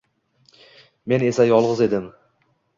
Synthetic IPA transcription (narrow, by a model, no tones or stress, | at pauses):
me̞ne̞sajɒlˠʁɨze̞d̪ɪm